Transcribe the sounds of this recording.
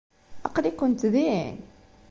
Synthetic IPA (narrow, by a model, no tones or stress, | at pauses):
ʔɑqlikʊnt̪ðin